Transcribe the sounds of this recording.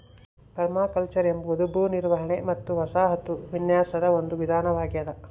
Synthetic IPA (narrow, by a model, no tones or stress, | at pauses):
pɐɾmaːkɐlt͡ʃɐɾembɐod̪ubʱuːniɾʋɐɦɐɳemɐt̪ːuʋɐsaːɦɐt̪uʋinjaːsɐd̪ɐond̪uʋid̪ʱaːnɐʋaːɡijɐlɐ